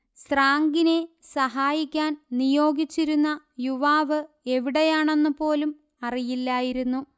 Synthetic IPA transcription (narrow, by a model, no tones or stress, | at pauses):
sraːŋɡine̞sɐɦaːjikʲːaːnnijo̞ːɡit͡ɕːiɾunːɐ | juʋaːʋɨ | e̞ʋiɽe̞jaːɳe̞nːɨpo̞ːlum | ɐrijilːɐjiɾunːu